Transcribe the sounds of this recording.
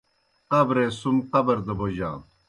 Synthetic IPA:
qɐbɾẽːsumqɐbɐɾd̪ɐboʑã̰ː

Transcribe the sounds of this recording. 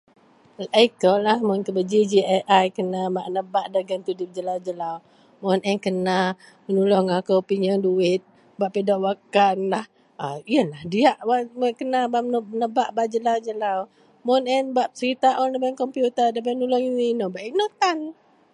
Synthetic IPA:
lʔaikɔlːahmʊnkəbəd͡ʒid͡ʒiaʔajkənabaʔnəbaʔdaɡant̪idʊp̚d͡ʒəlawd͡ʒəlaw | mɔnʔɛnkəna | mənulɔŋakəwpiɲɔnduɪt̪̚ | baʔpedɔʔwakanlah | aiəlahdiaʔwaʔməkənabaʔmnəbaʔbaʔd͡ʒəlawd͡ʒəlaw | mɔnɛnbaʔ̚səɾit̪aʔɔnəbankɔmpjut̪ədabanulɔŋininɔbaʔiʔnot̪an

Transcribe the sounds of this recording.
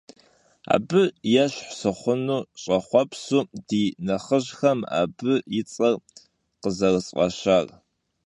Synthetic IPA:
a̰ːbɨjɛɕħsɨχʷʊnuːɕʼɐχʷɔpʰsuːdiːnɐχəʑxɐma̰ːbɨjɪt͡sʼɐr | qəzɐrɨsʼqʼɐ̰ʃar

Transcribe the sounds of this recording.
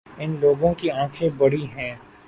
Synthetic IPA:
ɪnloːɡõkiãːkʰẽbɐɽiɦɛ̃ː

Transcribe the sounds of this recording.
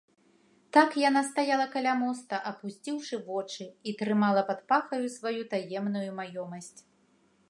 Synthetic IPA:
t̪akjanast̪ajalˠɐkalʲamɔst̪ɐʔɐpusʲt͡sʲiwʂɨvɔt͡ʂɨit̪ɾɨmalˠɐpat̪̚paxɐjusvajut̪ajɛmnujumajɔmɐsʲt͡sʲ

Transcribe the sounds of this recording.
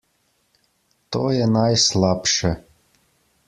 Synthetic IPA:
t̪ɔjɛnajslˠapʃɛ

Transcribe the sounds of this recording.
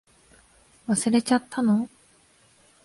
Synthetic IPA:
βasɨɾe̞t͡ɕat̪ʰːano

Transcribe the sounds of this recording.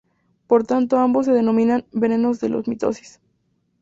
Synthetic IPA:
poɾt̪ant̪oambos̬ːe̞ðe̞nõ̞mĩnanbe̞ne̞no̞zðe̞̰lʔozmit̪o̞̰si̥s

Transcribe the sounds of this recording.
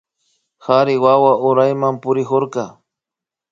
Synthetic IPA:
haɾɪwawaʔʊɾajmampʊɾɪxoɾkɑ

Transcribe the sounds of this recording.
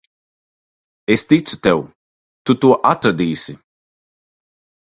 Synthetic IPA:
est̪it͡su̥t̪ɛw | t̪ut̪uʔat̪ɾɐd̪iːsɪ

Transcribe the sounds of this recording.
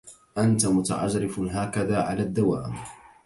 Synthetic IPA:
ʔant̪amʊt̪a̰ʕad͡ʒɾɪfɦaːkaðaːʕalaːd̪ːawaːm

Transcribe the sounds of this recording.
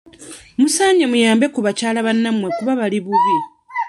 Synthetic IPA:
musaːɲamujaːmbe̞kuβacaːlaβanːamwe̞kuβaβaliβuɾi

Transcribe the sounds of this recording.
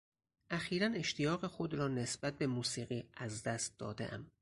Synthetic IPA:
ʔæxiːɾæne̞ʃt̪ʰijɒːɣe̞xo̞d̪ɾɒːnesb̥æt̪̚be̞muːsiːɣiːæzd̪æst̪̚d̪ɒ̰ːd̪ḛʔæ̰m

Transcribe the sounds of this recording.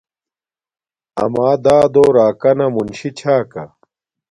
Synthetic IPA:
ɐ̰maːd̪aːd̪oːɾaːkɐnɐmunɕit͡ɕʰaːkɐ

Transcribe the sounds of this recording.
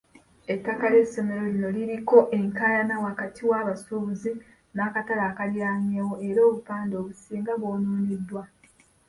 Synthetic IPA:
etːakale̞sːo̞me̞ɾo̞lino̞liɾiko̞ʔe̞ŋkaːjanawakatʰiwaːβasuːβuzi | naːkatalaːkaljaːɲeːwoe̞ɾoːβupaːndo̞ːβusiːŋɡaβwoːnuːnidːwa

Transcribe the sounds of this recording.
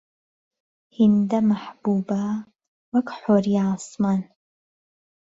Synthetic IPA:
hindɐmaħb̥uːbaː | wɐkʰʼħʷoriaːsmaːn

